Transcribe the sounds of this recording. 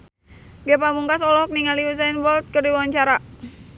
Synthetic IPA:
ɡɛpamuŋkasɔlɔɦɔk̚niŋaliuzainbɔlt̪̚kɨrdiwawaɲt͡ʃaɾa

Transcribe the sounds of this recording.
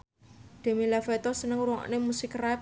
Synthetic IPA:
d̪̥a̤milafɛt̪ɔsənəŋuɾɔ̰ʔnemusɪkrap

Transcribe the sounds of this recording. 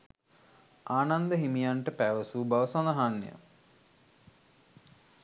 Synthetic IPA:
aːnand̪əɦimijaɳʈəpæʋəsubaʋəsanaɦanːjə̰

